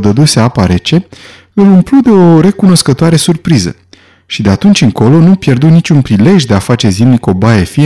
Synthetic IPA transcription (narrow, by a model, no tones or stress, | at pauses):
d̪əd̪useapaɾe̞t͡ʃe̞ | ɨlumplud̪e̞o̞ɾe̞kuno̞skət̪oaɾe̞surpɾizə̰ | ʃid̪e̞at̪unt͡ʃʲɨŋko̞lo̞nupje̞rd̪unit͡ʃʲunpɾile̞ʒʲd̪e̞afat͡ʃe̞zimniko̞bajefi